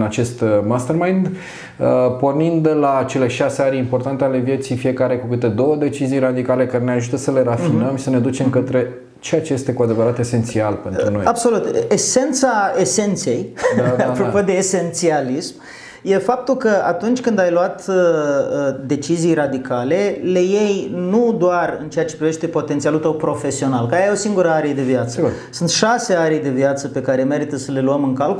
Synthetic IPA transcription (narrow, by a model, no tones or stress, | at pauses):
nat͡ʃe̞st̪mast̪ermajnd̪ | əpo̞rnind̪lat͡ʃe̞le̞ʃaseaɾʲimpo̞rt̪ant̪e̞ale̞vje̞t̪sifije̞kaɾe̞kukɨt̪e̞d̪o̞wəd̪e̞t͡ʃizijɾad̪ikale̞kaɾene̞aʒut̪əsəle̞ɾafinəmʃi̥səne̞d̪ut͡ʃe̞mkət̪ɾe̞ | t͡ʃejat͡ʃeje̞st̪e̞kuad̪e̞vəɾat̪e̞se̞nt̪sialpe̞nɾuno̞jabso̞lut̪ese̞nt̪saese̞nt̪se̞jdapɾopod̪e̞ːse̞nt̪sialism | je̞fap̚t̪ulkəa̰t̪unt͡ʃʲkɨnd̪ajluat̪ | d̪e̞t͡ʃizijrad̪ikale̞le̞je̞jnud̪oarɨnt͡ʃe̞at͡ʃepɾive̞ʃt̪e̞po̞t̪ent̪sialult̪əwpɾo̞fe̞sio̞nalkəjajosiŋɡuɾəaɾeed̪e̞viat̪səɡuɾsunt̪ʃase̞aɾijd̪e̞vijat̪səpe̞kaɾe̞me̞ɾit̪əsəle̞luəmɨŋkalku